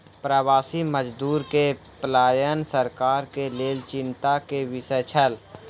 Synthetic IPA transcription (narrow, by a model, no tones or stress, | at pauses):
pɾəwaːsiməd͡ʒd̪uːɾke | plaːjənsəɾkaːɾkeleːlt͡ʃɪ̃nt̪akeʋɪsət͡ʃʰəl